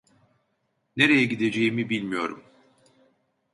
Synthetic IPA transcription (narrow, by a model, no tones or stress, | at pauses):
ne̞ɾe̞jɛɟid̪e̞d͡ʒe̞jimibilʲmijo̞ɾum